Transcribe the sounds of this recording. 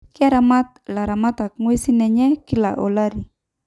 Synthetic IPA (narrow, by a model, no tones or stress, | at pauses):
kiaɾamat̪̚laɾamat̪ak̚ŋuisinɛɲɛkila̰ʔɔlaɾi